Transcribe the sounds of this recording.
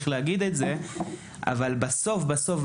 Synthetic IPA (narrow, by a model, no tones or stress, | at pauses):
χleaɡid̪etze | a̰valbaso̞fbasof